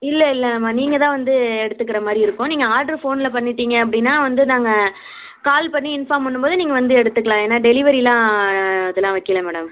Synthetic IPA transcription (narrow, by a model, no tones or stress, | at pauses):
ɪlːɐɪlːɐmaːniːŋɡɐt̪ãːʋɐnd̪ɯɛɽɯt̪ːɯkːɪɾɐmaːd̪ɾiɪɾɯkːʊ̃niːŋɡɐaːʈɾɐɾfoːnɪlɐpɐɳːɪʈːiːŋɡɐɐp̬ːɐɽɪnːaːʋɐnd̪ɯnaːŋɡɐ | kaːlpɐɳːiɪnfaːmpɐɳːɯmboːðɯniːŋɡɐʋɐnd̪ɯɛɽɯt̪ːɯkːɐɭãːeːnːaːɖɛlɪʋɐɾilãːɐðɐlːãːʋɐkːɪlɐmɛːɽɐm